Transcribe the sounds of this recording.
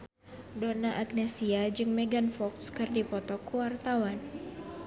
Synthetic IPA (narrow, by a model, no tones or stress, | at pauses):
donaʔaɡ̚nɛsiad͡ʒɨŋmeɡanfɔkskɨrdipɔt̪ɔkuwart̪awan